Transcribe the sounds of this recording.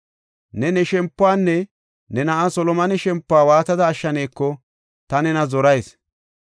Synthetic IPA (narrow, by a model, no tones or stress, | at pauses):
nɛnɛʃɛmpːʊaːnːɛ | nɛnɐʔɐsɔlɔmɐnɛʃɛmpːʊaːwaːt̪ɐd̪ɐːʃːɐneːkːɔ | t̪ɐnɛnɐzɔɾɐjs